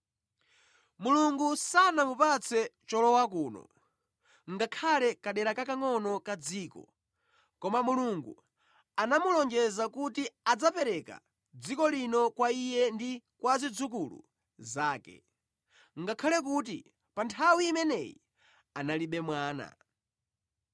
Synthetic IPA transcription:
muluŋɡusanamupat͡sʰɛt͡ʃɔlɔwak̬uːnɔ̰ | ŋɡakʰalɛkaɗɛɾakakaŋɔnɔkad͡ziːkɔ̰ | kɔmamuluŋɡṵ | anamulɔŋd͡ʒɛzakutiad͡zapɛɾɛka̰ | d͡zikɔlinɔkwaijɛndikwazid͡zuk̬ulṵ | zaːkɛ̰ | ŋɡakʰalɛk̬uːt̬ḭ | pantʰawiːmɛnɛjḭ | analiɓɛmwaːna̰

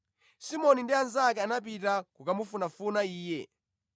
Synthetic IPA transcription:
simɔnindianzakɛanap̬itakukamufunafunaiːjɛ̰

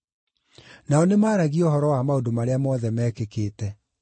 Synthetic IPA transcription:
naɔnemaːɾaɣiɔhɔɾɔwamaodomaɾeamɔːðɛmɛːkekeːtɛ

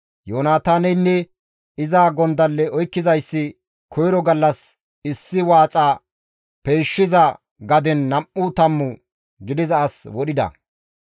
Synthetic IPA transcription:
joːnaːt̪aːnɛjnːɛ | ɪzaːɡɔnd̪ɐlːɛɔjkːɪzɐjsːɪ | kʰɔjɾɔɡɐlːɐs | ɪsːɪwaːt͡sʼaː | peːʃːɪzɐ | ɡɐd̪ɛnːɐmːʊt̪ɐmːʊ | ɡɪd̪ɪzɐːswɔɗɪd̪ɐ̰

